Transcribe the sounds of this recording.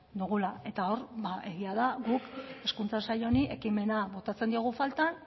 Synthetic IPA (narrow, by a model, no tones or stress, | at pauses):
d̪uɣ̞ulae̞t̪ao̞ɾbae̞ɣiaðaɡuke̞skunt͡sasaʎo̞niʔe̞kime̞naβo̞t̪at͡se̞nd̪io̞ɣ̞ufalt̪an